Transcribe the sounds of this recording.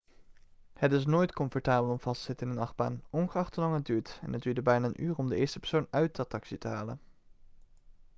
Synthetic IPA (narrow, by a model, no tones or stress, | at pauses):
hətɪs̬noːjtkɔmfɔɹtaːbəlˠɔmv̥ɑstz̥ɪtɪnənɑχba̰ːnɔnχəɑχtəlɑŋɦəd̚dyːɹtɛ̰nɦəd̚yːɹdəbɛjnaːənʔyːrɔmdəɪːɹstə̥pɛɹsownœɥtɑtɑksitəɦaːlən